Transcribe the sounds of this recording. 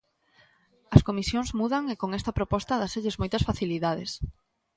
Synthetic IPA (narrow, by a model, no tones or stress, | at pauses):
ɐskomisjoŋzmuðɐŋekoŋɛst̪ɐpɾopɔst̪ɐðaseʎɪzmojt̪ɐsfaθiliðaðḛs